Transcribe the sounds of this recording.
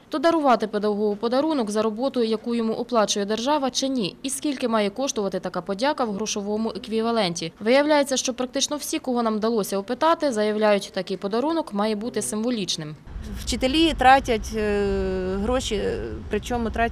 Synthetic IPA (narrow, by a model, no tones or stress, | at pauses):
t̪ɔd̪ɐɾʊʋɑt̪ɪped̪ɐɦɔɦʊpɔd̪ɐɾunɔkzɐɾɔbɔt̪ʊjʊjɐkujɔmuʔɔplˠɑt͡ʃʊjɛd̪rʒɑʋɐt͡ʃɪnʲiiskʲilʲkɪmɑjɛkɔʃt̪ʊʋɐt̪ɪt̪ɐkɑpɔdʲɑkɐwɦɾɔʃɔʋɔmʊʔekʋʲiʋɐlˠɛnʲtʲiʋɪjɐwlʲajet͡sʲːɐʃt͡ʃɔpɾɐk̚t̪ɪt͡ʃnɔwsʲikɔɦɔnɑmd̪ɐlˠɔsʲɐɔpɪt̪ɑt̪ɪzɐjɐwlʲajʊtʲt̪ɐkɪjpɔd̪ɐɾunɔkmɑjɛbut̪ɪsɪmʋɔlʲit͡ʃnɪmwt͡ʃɪt̪elʲit̪ɾɑtʲɐtʲ | ɦɾɔʃʲipɾɪt͡ʃɔmʊt̪ɾɑ